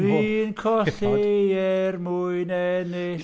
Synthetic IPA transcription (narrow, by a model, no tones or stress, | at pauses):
riːnkʰɔɬeɛrmʊɨnɛnɪ